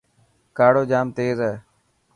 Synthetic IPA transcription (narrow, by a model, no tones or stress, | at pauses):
kaːɽoːd͡ʒaːmt̪eːzəː